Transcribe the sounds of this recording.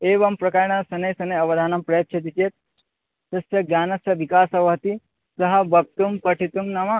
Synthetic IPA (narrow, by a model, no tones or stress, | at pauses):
eːʋɐmpɾɐkaːɾɳɐsɐnɐjsɐnɐjɐʋɐd̪ʱaːnɐmpɾɐjɐt̪̚t͡ʃʰɐt̪̬it͡ʃeːt̪̚ | sɐsjɐɡjaːnɐsjɐʋikaːsɐʋɐɦɐt̪i | sɐɦɐbʱɐk̚t̪umpɐʈʰit̪umnɐmɐ